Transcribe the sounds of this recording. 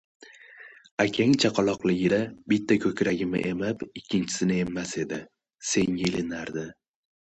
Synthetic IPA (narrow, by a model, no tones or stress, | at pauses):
akʲʰaŋt͡ʃʰaqʰɑlˠɒqlˠɪɡʲɪɾabɪt̪ʰːakʲʰɵkʲɾaɡʲɪmɪ̰ʔe̞mɪpɪkʲʰːɪnt͡ʃʰɪ̥sɪnɪe̞mːase̞d̪ɪ | se̞ŋjelɪnaɾd̪ɪ